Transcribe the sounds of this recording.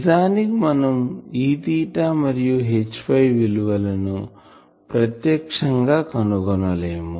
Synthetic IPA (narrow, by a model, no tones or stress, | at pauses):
zaːnikimɐnɐmiːt̪iːʈamɐɾijuɦet͡ʃːpʰɐjʋiluʋɐlɐnu | pɾɐt̪jɐːkʂɐŋɡaːkɐnuɡɐnɐleːmu